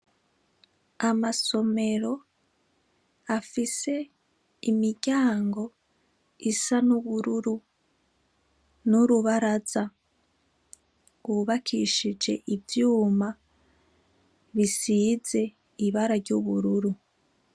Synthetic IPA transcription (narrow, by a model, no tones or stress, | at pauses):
amaso̞me̞ɾo̞ | afise̞ | imiɟaːŋɡo̞ | isanuβuɾuɾu | nuɾuβaɾaz̥a | uβakʰiʃid͡ʒe̞̰ʔivjuːma | βisize̞ | iβaɾaɾɟuβuɾuɾu